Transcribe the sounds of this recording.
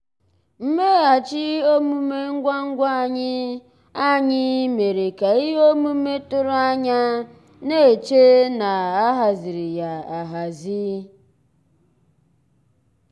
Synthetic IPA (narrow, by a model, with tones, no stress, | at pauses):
m̩˦me˦a˨t͡ʃɪ˦o˦mu˦me˦ŋ̩˦ɡʷa˦ŋ̩˦ɡʷa˦a˨ɲɪ˦ | a˦ɲɪ˦me˨ɾe˨ka˨i˦o˦mu˦me˦tʊ˦ɾʊ˦a˦ɲa˦ | ne˦e˨t͡ʃe˦na˨a˦ɦa˨zi˨ɾi˨ja˨a˨ɦa˨zi˦